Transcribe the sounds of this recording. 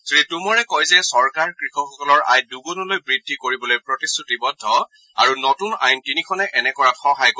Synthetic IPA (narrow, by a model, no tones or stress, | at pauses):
soditumɔɹɛkɔjzɛsɔɹkaɹkɹixɔxɔkɔlɔɹa̰jduɡunɔlojbɹidʱːikoɹibɔlojpɹotisutibɔdʱːɔ | a̰ɹunɔtuna̰jntinikʰɔnɛʔɛnɛkɔɹatxɔɦajk